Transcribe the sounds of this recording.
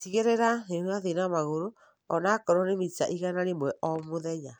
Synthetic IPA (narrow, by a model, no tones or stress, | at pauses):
tiɣeɾɛɾanenwaðinamaɣoɾo | ɔnakɔɾɔnemit͡ʃaʔiɣanaɾemwɛʔɔmoðɛɲa